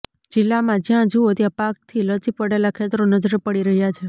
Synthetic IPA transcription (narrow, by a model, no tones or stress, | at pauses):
d͡ʒɪlːamãd͡ʒjãd͡ʒuot̪jãpak̚t̪ʰilət͡ʃipəɽelakʰet̪ɾonəd͡ʒɾepəɽiɾəɦjat͡ʃʰe